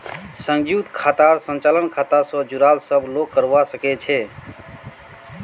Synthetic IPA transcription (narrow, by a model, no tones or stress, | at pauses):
sə̃ŋd͡ʒjut̪kʰat̪aɾsənt͡ʃalənkʰat̪asəd͡ʒuɾalsəblokkːəɾʋasəkɛt͡ʃʰɛ